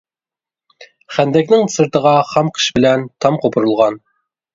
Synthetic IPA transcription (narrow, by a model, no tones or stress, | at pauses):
χænd̪ɛkʲnɪŋsɨɾt̪əʁɑχɑmqʰə̥ʃbɪlɛnt̪ʰɑmqʰopʰʊɾulˠʁɑn